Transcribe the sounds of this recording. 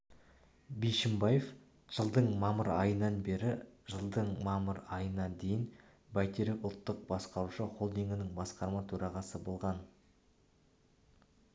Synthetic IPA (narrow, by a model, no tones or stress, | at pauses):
bejʃɪmbɑje̞f | ʒ̥əlˠd̪əɴmɑməɾɑjənɑnbe̞ɾɪʒəlˠd̪əɴmɑməɾɑjənɑd̪e̞jɪn | bæjt̪ʰeɾɪpʊlˠt̪ːəq̚bɑsqɑɾuʃəqʰo̞lˠd̪eŋɡɪnɪŋbɑsqɑɾmɑt̪ʰɵɾɑʁɑsəbo̞lˠʁɑn